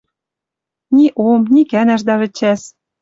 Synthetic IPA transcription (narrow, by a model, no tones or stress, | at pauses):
nʲiʔomnʲikænæʃ̬d̪ɑβɘ̆t͡ɕæs